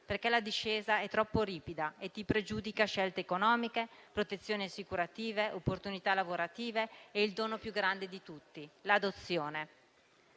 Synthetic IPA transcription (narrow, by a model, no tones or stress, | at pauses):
perkɛlad̪iʃːeːzaɛt̪ːɾɔpːoɾiːpid̪aet̪ːipɾed͡ʒuːd̪ikaʃɛlt̪eːkonɔːmikepɾot̪et̪sːjoːniasːikuɾat̪iːveʔopːort̪unit̪alavoɾat̪iːveːild̪oːnopjuɡɾand̪ed̪it̪ut̪ːilad̪ot̪sːjoːne